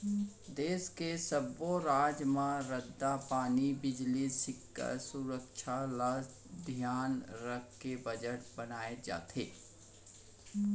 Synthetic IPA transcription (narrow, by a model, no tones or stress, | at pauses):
d̪eːskesəboɾaːd͡ʒmãɾəd̪ːapaːnibɪd͡ʒlisɪkːa̰suɾəkʃʰala | d̪ʱjaːnɾəkʰkebəd͡ʒəʈbɐnaːed͡ʒa̰ːt̪ḛː